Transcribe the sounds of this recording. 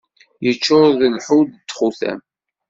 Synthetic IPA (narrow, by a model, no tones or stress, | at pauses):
jət͡ʃːʊɾˤðəlħud̪t̪ːχuθæ̰m